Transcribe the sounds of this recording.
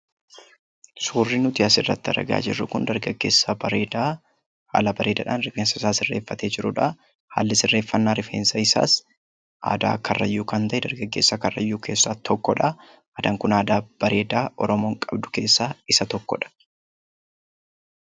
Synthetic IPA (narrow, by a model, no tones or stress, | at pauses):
suːrːinʊt̪ɪɐsɪrːɐ̰t̪ːɪɐ̰ɾɐ̰ɡa̰ːd͡ʒɪrːʊkʊnd̪ɐɾɡɐɡːeːsːɐa | ha̰ːlɐbɐɾe̞ːd̪ɐ̰ᶑaːnɾɪfeːnsɐɪsaːsɪrːeːfːɐt̪eːd͡ʒɪɾʊᶑɐ | ha̰ːlːɪsɪrːe̞ːfːɐnːaːɾɪfḛːnsɐɪsa̰ːs | ʔa̰ːd̪a̰ːkːɐrːɐjːuːkɐnt̪ɐʔɛd̪ɐɾɡɐɡːe̞ːsːɐkɐrːɐ̰jːuːkʰe̞ːsːaːt̪ʰɔkːɔᶑɐ | aːd̪ɐŋkʊnaːd̪aːb̥ɐɾe̞ːd̪aːʔɔ̰ɾɔmo̞ːŋkʼɐbd̪ʊ̥ke̞ːsːaːɪsɐt̪ɔkːɔ̰ᶑɐ̥